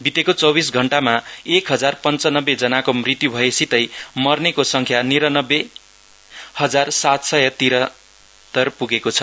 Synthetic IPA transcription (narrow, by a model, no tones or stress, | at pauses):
bit̪ekot͡sʌbis̬ɡʱʌɳʈamaekɦʌd͡zarpʌnt͡sʌnʌbed͡zʌnakomrit̪jubʱʌesit̪ʌjmʌrnekosʌŋkʰjaniɾʌnʌbːe | hʌd͡zarsat̪sʌjʌt̪iɾʌ | t̪ʌrpuɡekot͡sʰʌ̥